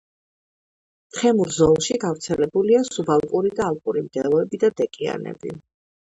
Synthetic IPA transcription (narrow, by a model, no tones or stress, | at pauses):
t̪χɛmuɾzɔlˠʃiɡavɾt̪sʰɛlɛbuliasubalˠkʼuɾid̪aːlˠkʼuɾimd̪ɛlˠɔɛbid̪ad̪ɛkʼia̰nɛ̰bḭ